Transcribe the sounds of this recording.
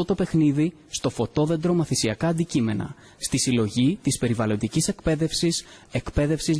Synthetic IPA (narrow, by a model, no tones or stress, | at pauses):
ot̪o̞pe̞xniði | st̪o̞fo̞t̪o̞ðe̞nd̪ɾo̞mɐθisiɐkɐːnd̪icime̞nɐ̰ | st̪isilo̞ʝit̪ispe̞ɾivɐlo̞nd̪icise̞kpe̞ðe̞fsise̞kpe̞ðe̞fsiz